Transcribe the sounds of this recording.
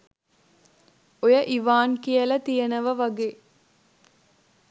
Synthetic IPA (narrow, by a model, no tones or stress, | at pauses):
ojəʔiʋaːnkijəlɐt̪ijənəʋəʋaɡeː